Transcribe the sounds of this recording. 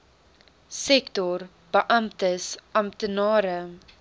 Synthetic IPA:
sɛktɔr | b̥əʔɐmtəsʔɐmtənɑːɾə

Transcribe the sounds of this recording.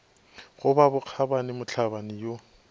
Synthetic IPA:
ɣʊbabʊq͡χʰabanɪmʊt͡ɬʰabanɪjo

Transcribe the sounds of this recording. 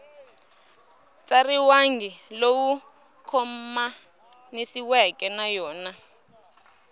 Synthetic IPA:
t͡sʼariwaŋɡilowu | kʰɔmma | nesiwɛkʼɛnajɔːna

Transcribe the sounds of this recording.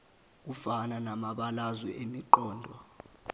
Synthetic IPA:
k̬ufananamaɓalazwɛʔemiǃɔːndʱɔ

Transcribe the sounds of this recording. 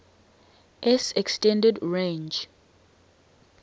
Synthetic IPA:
ʔɛsɛkstɛ̃ndɛdɹẽnd͡ʒ

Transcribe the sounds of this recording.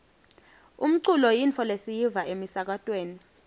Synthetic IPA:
um̩ǀulɔjint͡fʰɔlesijivaemisak̬atʼweːni

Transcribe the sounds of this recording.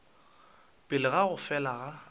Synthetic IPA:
pʼɪlɪɣaɣʊfɛlaɣa

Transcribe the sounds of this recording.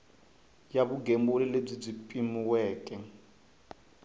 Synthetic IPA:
jaβuɡembɔlɛleb͡ʐib͡ʐipʼimiwɛːkʼɛ

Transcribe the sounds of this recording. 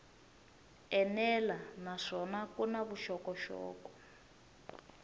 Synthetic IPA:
ɛnɛlanaʂɔnakunaβuʃɔkɔʃɔ̰ːkɔ̥

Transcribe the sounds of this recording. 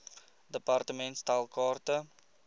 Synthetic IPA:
dəpartəmɛ̃ntstalkɑːrtə

